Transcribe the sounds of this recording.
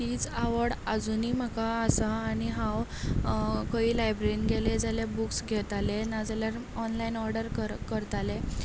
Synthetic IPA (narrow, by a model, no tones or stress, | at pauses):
t̪iːt͡saʋəɽad͡zuniːm̤əkaːsaːniɦãw | kəiːlajbɾeinɡeled͡zaljabuksɡʱɛt̪alenad͡zaljaɾ | ɔnlainɔɾɖəɾkəɾkəɾt̪ale